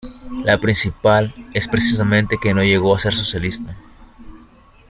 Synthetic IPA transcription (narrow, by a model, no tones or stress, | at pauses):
lapɾinsipale̞spɾesis̬amẽnt̪e̞ke̞no̞ʝe̞ɣo̞ase̞ɾso̞sjalist̪a